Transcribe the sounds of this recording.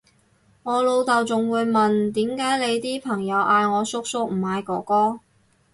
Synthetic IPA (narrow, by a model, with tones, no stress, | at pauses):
ŋɔː˨˧lo˨˧wt̪ɐ˨wt͡sʊ˨ŋwuː˨˧jmɐ˨nt̪iː˨˥mkaː˨˥jle˨˧jt̪iː˥pʰɐ˨˩ŋjɐ˨˧wʔaː˧jŋɔː˨˧sʊ˥k̚sʊ˥k̚m̩˨˩haː˨˧jkɔː˨˧˥kɔː˥